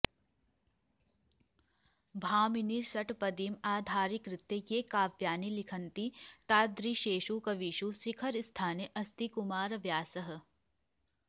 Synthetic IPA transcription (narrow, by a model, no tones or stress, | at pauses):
bʱaːminisɐʈpɐd̪iːmaːd̪ʱaːɾikɾɪt̪jejeːkaːʋjaːnilikʰɐnt̪it̪aːd̪ɾiʃeːʃukɐʋiːʃusikʰɐɾst̪ʰaːneʔɐst̪ikumaːɾɐʋjaːsɐɦɐ̆